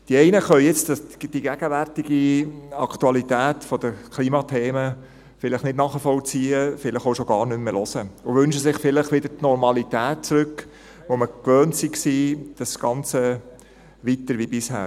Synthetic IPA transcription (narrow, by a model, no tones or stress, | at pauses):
d̥iɛɪnəχœʏjɪt͡stɑsd̥iɡæɡ̥əʋærtiɡ̥iɑkʰtuɑlit̪æːtfɔd̥̪əkʰliːmɑtʰeːmə | fɪləχnɪdnɑːχəfɔlt͡siːəfɪləχoʊʃoɡ̥ɑːɾnʏmːəlɔsəʊʋʏnʃəsɪχfɪləχʋɪd̥əɾtnɔɾmɑlit̪æːt̚t͡sɾʉk | ʋoməkʋøːntsiksiːd̥ɑsɡ̥ɑnt͡sə | ʋitəɾʋibɪshæ̰ː